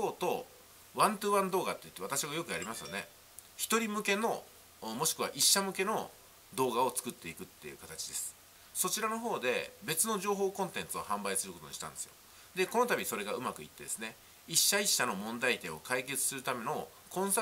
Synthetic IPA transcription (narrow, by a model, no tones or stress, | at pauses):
oːt̪o̞ | βãnt̪ɯβãnd̪o̞ːɡa̰t̪ːe̞jɯ̟t̪ːat̪aɕiɡajo̞kɯ̟aɾʲimasɨjone̞̰ | çi̥t̪o̞ɾʲimɯ̟ke̞no̞ | mo̞ɕi̥kɯ̟β̞a̰ʔiɕːamɯ̟ke̞no̞ | d̪o̞ːɡao̞t͡sɨ̥kɯ̟t̪ːe̞ikɯ̟t̪ːe̞jɯ̟̰kat̪at͡ɕid̪e̞sɨ̥ | so̞t͡ɕiɾano̞ɦo̞ːd̪e̞̰be̞t͡sɨno̞ʑo̞ːɦo̞ːkõ̞nt̪ẽ̞nt͡sɨo̞̰hãmbaisɨɾɯko̞t̪o̞̰ɲiɕit̪ãnd̪e̞sɨjo̞̰ | d̪e̞ko̞no̞t̪abʲiiso̞ɾe̞ɡaɯ̟makɯ̟ḭt̪ːe̞d̪e̞sɨne | iɕːaiɕːano̞mõ̞nd̪ait̪eo̞̰kaike̞t͡sɨ̥sɨɾɯ̟t̪ame̞no̞ | kõ̞ɰ̃sa